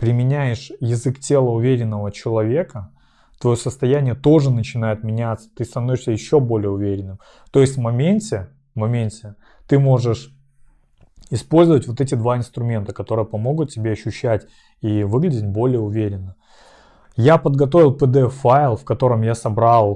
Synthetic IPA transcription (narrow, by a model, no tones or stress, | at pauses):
pɾʲɪmʲɪnʲæjɪʂjɪzɨktʲe̞lˠəʊvʲeɾʲɪnːəvət͡ɕɪlˠɐvʲe̞kə | t̪vɐjo̞səst̪ɐjænʲɪjət̪o̞ʐɨnət͡ɕɪnajɪt̪̚mʲɪnʲat̪sə̥t̪ɨst̪ɐnovɪʂsʲəjɪɕːo̞bo̞lʲɪjəʊvʲeɾʲɪnːɨm | t̪o̞jɪsʲt̪ʲvmɐmʲenʲtʲɪ | vmɐmʲenʲtʲɪ | t̪ɨmo̞ʐɨʂ | ɪspo̞lʲzəvətʲvo̞t̪ɛt̬ʲɪd̪vaɪnst̪ɾʊmʲe̞nt̪əkɐt̪o̞ɾɨjəpɐmo̞ɡʊt̪̚tʲɪbʲe̞ɐɕːʉɕːætʲ | ivɨɡlʲɪdʲɪt̚ʲbo̞lʲɪjəʊvʲeɾʲɪnːə | japəd̪ɡɐt̪̬o̞vʲɪlˠpəd̪ɛɛfaɪlˠfkɐt̪o̞ɾəmjasɐbɾalˠ